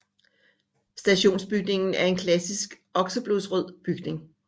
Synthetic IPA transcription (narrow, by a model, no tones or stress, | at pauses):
sd̥æɕo̝̰ːnsb̥yɡ̥ne̝ŋn̩æɐe̝nkʰlæsisɡ̥ | ɒ̽ɡ̥sɐb̥losʁœð̰ˠb̥yɡ̥ne̝ŋ